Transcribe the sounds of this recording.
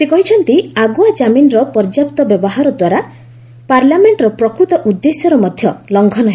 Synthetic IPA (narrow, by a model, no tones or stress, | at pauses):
sekɔɦit͡ʃʰɔnt̪iaɡuad͡ʒaminɔɾɔpɔɾd͡ʒapt̪ɔbjɔbɔɦaɾɔd̪waɾa | paɾlameɳʈɾɔpɾɔkɾut̪ɔʔud̪ːesjɔɾɔmɔd̪ʱjɔlɔŋɡʱɔnɔɦe